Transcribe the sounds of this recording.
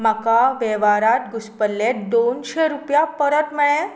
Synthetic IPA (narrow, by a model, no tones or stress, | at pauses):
makaʋeʋaɾat̪ɡuspəlːet̪d̪onɕeɾupjapəɾət̪m̤əɭ̃ẽ